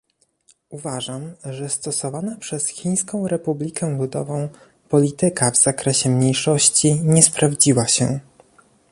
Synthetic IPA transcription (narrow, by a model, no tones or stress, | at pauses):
uvaʐamʐɛst̪ɔsɔvanapʂɛsxʲij̃skɔ̃w̃ɾɛpublʲikɛvud̪ɔvɔ̃w̃ | pɔlʲit̪ɘkavz̥akɾɛɕɛmɲejʂɔɕt͡ɕiɲɛspɾavd͡ʑiwaɕɛ